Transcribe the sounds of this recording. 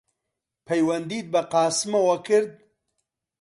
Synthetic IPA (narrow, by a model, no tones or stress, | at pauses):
pʰɐjwɐnd̪iːt̪̚bɐqɑːsmɐwɐkɨɾd̪̚